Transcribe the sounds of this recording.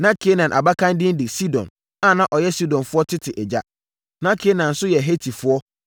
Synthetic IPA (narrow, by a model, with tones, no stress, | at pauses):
nã˦kʰe˦nã˨nʔa̰˨ba˦kã˦ndɪ̃˦n˦dɪ˨si˦dɔ̰̃˨n | a˦˨nã˦ʔɔ˨jɛ˦si˦dɔ̃˨nfʊ˦ɔ˦tʰɪ˦tʰɪ˨ʔɛ˨d͡ʑa˦ | nã˦kʰe˦nã˨n̩˨sʊ˦jɛ˨ɦe˦tʰi˨fʊ˦ɔ˦